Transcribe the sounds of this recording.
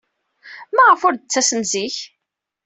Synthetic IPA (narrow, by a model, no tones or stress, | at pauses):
mæʁəfʊɾd̪ət͡sːæsəmziç